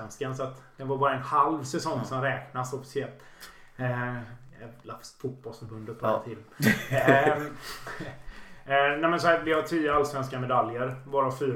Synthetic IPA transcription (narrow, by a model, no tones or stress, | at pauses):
ɛnskansɔat̪d̪̥ɛnvaɾbɑːɾaɛnhalvsɛsɔŋsɔmɾɛːknasɔfɪ̥sɪɛlt̪ | ɛlafsfut̪̚bɔlsfœɾbɵnd̪ət̪̚pʰːt̪ʰɪd̪ | næmɛnsɔhæːɾvɪhat̪ʰyːəalsvɛnskamɛd̪aljəɾvoːɾafyː